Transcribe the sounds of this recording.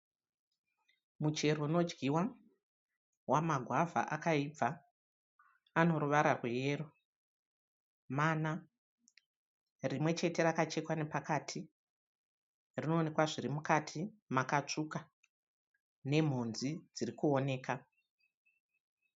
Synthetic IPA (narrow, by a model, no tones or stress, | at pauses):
mut͡ʃe̞rono̞d͡ʒɡiwa | wamaɡʱwavʱa̰ʔakaib͡va | ano̞ɾuʋaɾarweje̞ːro | mana | rimwe̞t͡ʃe̞te̞rakat͡ʃe̞kwane̞pakaːtʰi | rino̞ːne̞kwaʐiɾimukatʰimakat͡ʂuka | ne̞m̤unzid͡zirikuo̞ne̞ːka